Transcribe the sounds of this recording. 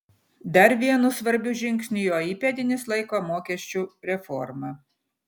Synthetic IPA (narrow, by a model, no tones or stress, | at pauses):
d̪ɐɾʋʲiɛnʊsʋɐɾʲbʲʊʒʲɪŋʲksʲnʲʊjoːiːpʲɛd̪ʲɪnʲɪslˠɐɪkoːmoːkʲɛʃʲt͡ʃʲuɾʲɛfɔɾmɐ